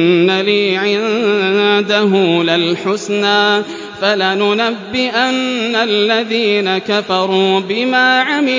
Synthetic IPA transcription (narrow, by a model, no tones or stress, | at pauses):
aliːʕɪ | d̪aɦuːlalħʊsnaː | falanʊnabːɪʔanːalːaðiːnakafɑɾˤuːbɪmaːʕamɪ